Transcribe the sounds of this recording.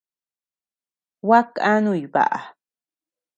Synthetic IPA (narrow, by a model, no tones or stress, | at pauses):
wakanʊjba̰ʔa